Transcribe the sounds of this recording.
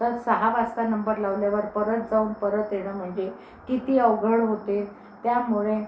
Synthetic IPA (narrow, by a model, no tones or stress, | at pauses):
əɾsəɦaʋast̪anəmbəɾlaʋljaʋəɾpəɾət̪̚d͡zauːnpəɾət̪ɦeɽ̃əm̤əɳd͡ʑe | kit̪iːəʋɡʱəɽɦot̪e | t̪jamuɭe